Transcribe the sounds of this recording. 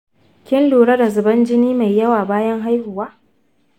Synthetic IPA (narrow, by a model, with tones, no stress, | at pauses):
kʲɪ˦nluː˨ɽɐ˦da˨zʊ˨bɐ˦nd͡ʒɪ˦niː˦ma˨jːɐ˦waː˨baː˦jɐ˦ŋɦa˦jhʊ˨waː˦